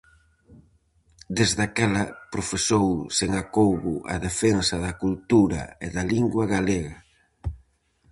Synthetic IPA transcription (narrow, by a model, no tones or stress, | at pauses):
d̪ezðakalɐpɾofesowseŋakowɣʊɐ̰ðefensɐðɐkult̪uɾɐ̰ḛðɐliŋɡwaɣaleɣɐ